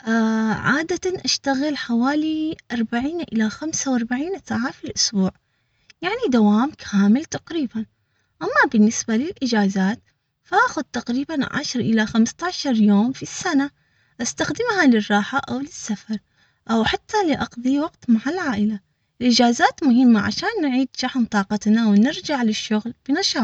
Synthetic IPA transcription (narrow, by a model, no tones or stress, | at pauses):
ʔaʕaːd̪aʔaʃt̪aɣɪlħawaːliʔɑɾˤbaʕiːnʔɪ̰laxamsawʔɑɾˤbaʕiːnsaːʕafilʔʊsbuːʕ | jaʕnid̪awaːmkʰaːmɪlt̪aqɾiːban | ʔamːabɪnːɪsbalɪlʔɪd͡ʒaːzaːt̪ | faʔaːxʊd̪̚t̪aqɾiːbanʕa̰ʃɾˤʔɪlaxamst̪ɑːʃɑɾˤjoːmfisːana | ʔast̪axd̪ɪmhalɪrˤːɑːħaʔawlɪsːafɑɾˤ | ʔawħat̪ʰːalɪʔɑqðˤiwɑqt̪maʕalʕaːʔɪla | ɪlʔɪd͡ʒaːzaːt̪mʊɦɪmːaʕa̰ʃaːnːʕiːd̪ʃaħmt̪ˤɑːqɑt̪nawnɪɾd͡ʒaʕlɪʃːʊɣlb̥ɪnaʃɑː